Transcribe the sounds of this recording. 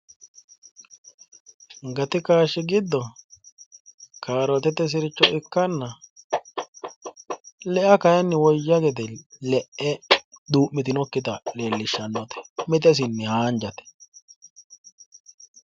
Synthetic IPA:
ŋɡɐt̪ɪkaːʃːɪɡɪd̪ːɔ | kʰaːɾɔt̪ɛt̪ɛs̬ɪɾɪt͡ʃːɔʔɪkːɐnːɐ | lɛʔɐkɐjɐnːɪwɔjːɐɡɛt̪̬ɛlɛʔɛd̪uːmmɪt̪ɪnɔkːɪt̪ɐleːlːɪʃːɐnːɔt̪ɛ̥mɪt̪̬ɛs̬ɪnːɪhaːnd͡ʒɐt̪ɛ̥

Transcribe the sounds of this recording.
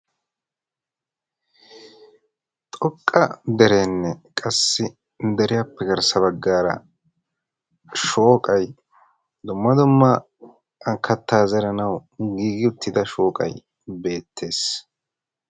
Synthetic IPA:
t̪ʼɔkʼːɐd̪ɛɾe̞ːnːɛkʼɐsːɪ | d̪ɛɾɪjapːɛɡɐɾsɐbɐɡːaːɾɐ̰ | ʃoːkʼɐj | d̪ʊmːɐd̪ʊmːɐ | ɐkʰːɐt̪ːaːzɛɾɐnɐwɡiːɡɪʊt̪ːɪd̪ɐʃo̞ːkʼɐ̰j | be̞ːt̪ʰːe̞ːs

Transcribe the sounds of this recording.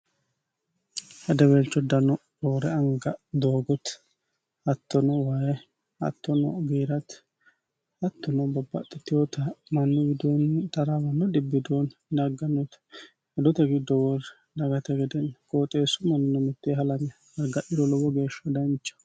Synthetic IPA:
hɐd̪ɛwɛlt͡ʃːɔd̪ɐnɔɾɔːɾɛɐŋɡɐd̪oːɡɔt̪ | ɐt̪ːɔnɔwajɛ | ɐ̰t̪ːɔnɔɡeːɾɐt̪ | ɐt̪ːɔnɔbɔbːɐ̰t̪ːɛt̪ːɪjɔt̪ɐmɐnːɔbɪd̪ont̪ɐɾawɐnːɔd̪ɪbːɪd̪oːndɐɡɐnːɔt̪ | ɛd̪ɔt̪ɛɡɪd̪ːɔwɔɾ | dɐɡɐt̪ɛɡɛd̪ɛnkʼoːt̪ʼeːsːʊmɐnːɔnɔmɛt̪ːeːɦɐlɐɲɐ | ɐɡɐʔɪd̪ɔlɔwɔɡe̞ːʃːɐd̪ɐnt͡ʃːɐ̥

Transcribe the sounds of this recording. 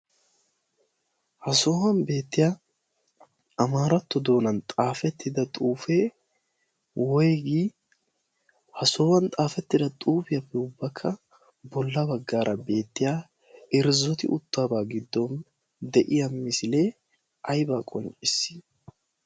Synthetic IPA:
hɐso̞ːwɐnbe̞ːt̪ːɪjaː | ʔɐmaːɾɐt̪ːɔd̪o̞ːnɐnt̪ʼaːfɛt̪ːɪd̪ɐt̪ʼuːfeː | wɔjɡiː | hɐso̞ːwɐnt̪ʼaːfɛt̪ːɪd̪ɐt̪ʼuːbɪjɐbɛʊbːɐkʰːɐ | bɔlːɐbɐɡːaːɾʔɐbe̞ːt̪ːɪjaː | ɪɾzɔt̪ɪʔʊt̪ːaːbaːɡɪd̪ːɔn | d̪ɛʔɪjɐmɪsɪle̞ː | ɐjbaːkʼɔnt͡ʃʼɪsːɪ̥

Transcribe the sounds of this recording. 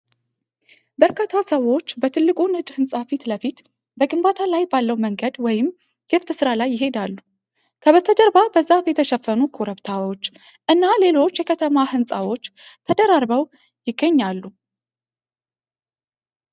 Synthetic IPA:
bəɾkʰat̪ʰasəwːo̞t͡ʃːbət̪ʰɨlːɨkʼunɨt͡ʃʼhɨnsʼafit̪ləfit̪ | bəɡʼɨmbat̪ʰalajbalːəwməŋɡəd̪wɔjɪm | ɡ̥ɨft̪ʰɨsɨɾalajːɪɦe̞d̪alːu | kʰəβət̪ʰəd̪əɾbabəzːafɛt̪ʰəʃɛfːənukʰoɾəβt̪ʰawo̞t͡ʃː | ʔɨnːale̞lo̞t͡ʃːjɛkʰət̪ʰəmahɨnsʼa̰wo̞t͡ʃːt̪ʰəd̪əɾaɾβəw | jɪɡːəɲːalːu

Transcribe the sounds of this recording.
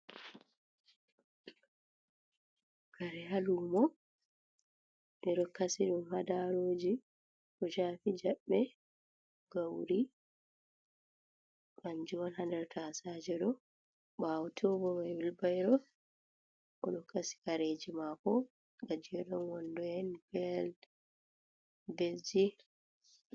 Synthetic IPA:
kaɾɛɦalumɔ | nɛɗɔkasiɗunhadaɾoːd͡ʒi | ʔɔʃaːfid͡ʒaɓːɛ | ɡ̥awɾi | ɓand͡ʒuwanhandɛɾtʰasad͡ʒɛɗɔ | ɓawtʰɔbɔmawilbajɾɔ | ʔɔ̰ɗɔkasi̥kaɾed͡ʒimakɔ | ɡad͡ʒiɛɗɔnwɔndɔjɛnbɛl | bed͡ʒi

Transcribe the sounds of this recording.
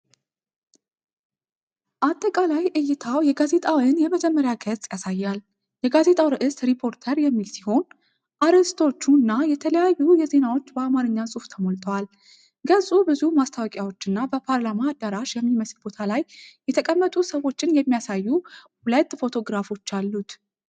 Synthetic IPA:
ʔat̪ʼːəkʼalajʔɨjːɪt̪ʰawjɛɡaze̞t̪ʼawɨnjɛməd͡ʒɛmːəɾjaɡət͡sʼjasajːal | jɛɡaze̞t̪ʼawɾɨʔɨsɾipʰo̞ɾt̪ʰəɾjɛmːilsi̥ho̞n | ʔaɾst̪ʰo̞t͡ʃːunːajɛt̪ʰələjajːujɛze̞nawo̞t͡ʃːbəamaɾɨɲːasʼuft̪ʰəmolt̪ʼəwal | ɡəzʼubɨzumast̪ʰawkʼjawo̞t͡ʃːɨnːabəpʰaɾlamaːd̪ːəɾaʃjɛmːiməslbo̞t̪ʰalajjɛt̪ʰəkʼəmːət̪ʼusəwo̞t͡ʃːɪnjɛmːijasajːuhulət̪ʼːfo̞t̪ʰo̞ɡɾafo̞t͡ʃːalːut̪

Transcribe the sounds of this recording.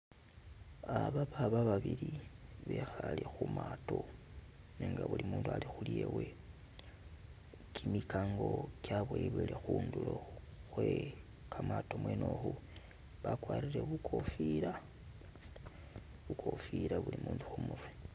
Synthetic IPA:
aβaβaβaβaβiliβe̞xalixumaːto̞ | neːŋɡaβulimuːndualixuliewe̞ | kʰimikaːŋɡo̞kjaβweβwelexuːndulo̞ | xwe | kʰamatomweno̞xu | βakwaːɾiɾe̞βukʰo̞fiɾa | βukʰo̞fiɾaβulimuːnduxumuɾwe

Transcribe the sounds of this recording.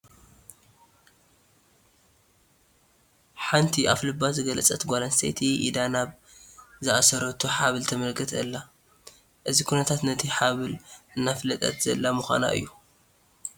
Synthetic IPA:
ħant̪ʰiʔaflɨbːazɨɡɐlɐt͡sʼɐt̪ɡʷalɐnsḛjt̪ʰiʔḭd̪anaβ | zɨʔasɐɾɐt̪ʰuħaβɨlt̪ʰɐmɐlkʰɨt̪ʰɨlːa | ʔɨzikʰunɐt̪ʰat̪nɐt̪ʰiħaβɨlɨnːaflɐt̪ʼɐ̰t̪z̥ɐlːamuxʷa̰na̰ʔɨ̰jːu

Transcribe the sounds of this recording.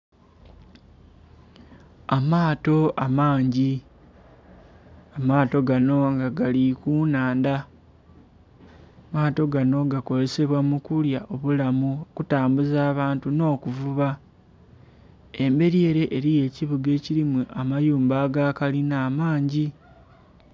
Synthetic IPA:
amaːto̞amaːɲɟi | amaːto̞ɡano̞ŋɡaɡalikuːnaːnda | maːto̞ɡano̞ɡako̞ze̞se̞βwamukuljaʔo̞βulamuokutaːmbuzaːβaːntuno̞ːkuvuβa | e̞mbe̞ɾie̞ːɾe̞ʔeɾije̞ːciβuɡe̞ːciɾimuʔamajuːmbaːɡakalinaːmaːɲɟi

